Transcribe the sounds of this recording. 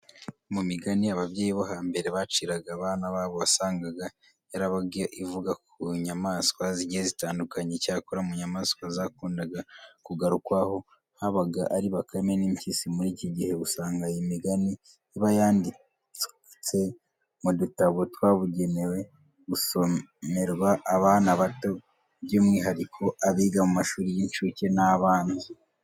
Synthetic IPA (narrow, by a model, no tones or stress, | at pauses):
mumiɡaniaβavɟeːjiβoɦaːmbe̞ɾe̞βat͡ʃiɾaɡaːβaːnaβaːβo̞βasaːŋɡaɡa | jaɾaβaɡiaʔivuɡakuɲamaːskwaziɟiezitaːndukaɲecaːkoɾamuɲamaːskwazakuːndaɡakuɡaɾukwaho̞ | haβaɡaʔaɾiβakʰameniːmcisimuɾiːciɟihe̞βusaːŋɡajimiɡani | iβajaːndi | t͡su̥ | t͡se̞ | mudutaβotwaːβuɟe̞newe̞ | ɡuso̞me̞ɾɡwaʔːβaːnaβato̞ | bɟoːmŋiːɦaɾikʰo̞aβiːɡamumaʃuːɾijiɲt͡ʃuce̞naβaːndi